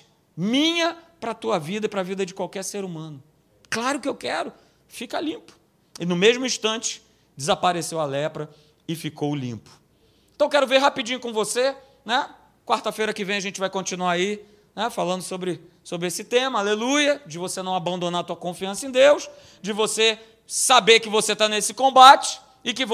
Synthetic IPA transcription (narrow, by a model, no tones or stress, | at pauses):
mĩɲɐpɾɐt̪uɐvid̪ɐipɾɐvid̪ɐd͡ʒɪkwawkɛɾseɾumɐ̃nʊ | klaɾʊkɪewkɛɾʊ | fikɐlĩpʊ̥ | ɪnʊ̃meʒmʊĩʃt̪ɐ̃t͡ʃɪ̥ | d͡ʒɪzapaɾesewalɛpɾɐ | ɪfikowlḭ̃pʊ̥ | ẽt̪ɐ̃w̃wkɛɾʊveɾɦapid͡ʒĩɲʊkõvose | nɛ | kwaɾt̪ɐfejɾɐkɪvẽj̃ɐʒẽnt͡ʃɪvajkõt͡ʃĩnuaɾai | nɛfalɐ̃nd̪ʊsobɾɪsobɾɪesɪt̪ẽmɐalelujɐd͡ʒɪvosenɐ̃w̃abɐ̃nd̪õnaɾt̪uɐkõfiɐ̃sɐẽd̪ews | d͡ʒɪvose | sabeɾkɪvoset̪anesɪ̥kõbat͡ʃɪ̥ | ɪkɪv